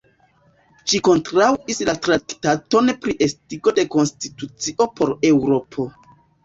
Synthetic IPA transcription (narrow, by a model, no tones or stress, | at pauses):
ʃiko̞ntɾawislatɾaktato̞npɾiʔe̞stiɡo̞de̞ko̞nstitut͡siʔo̞po̞ɾe̞wɾo̞pʰo̞